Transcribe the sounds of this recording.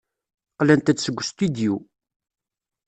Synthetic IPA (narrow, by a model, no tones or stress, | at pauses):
qlænt̪æt͡sːsəɡʷːst̪yd̪ju